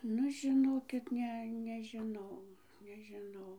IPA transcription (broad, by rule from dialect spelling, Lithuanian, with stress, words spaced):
ˈnʊ ʒʲɪˈnoːkʲɪt ˈnʲɛ nʲɛʒʲɪˈnɐʊ nʲɛʒʲɪˈnɐʊ